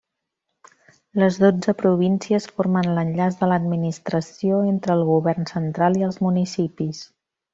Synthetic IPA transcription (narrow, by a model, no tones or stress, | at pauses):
ləzðod͡zəpɾuβinsiəsfoɾmənlənʎazðələd̪minist̪ɾəsioent̪ɾəːlˠɣuβɛrnsənt̪ɾalˠiəlˠzmunisipis